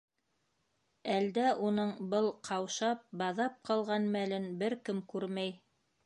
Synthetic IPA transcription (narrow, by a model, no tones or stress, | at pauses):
æld̪æʔunɤɴbɤlˠqʰɑwʃɑp̚bɑðɑp̚qɑlˠʁɑnmælɘnbɘɾkɘmkʉɾmæj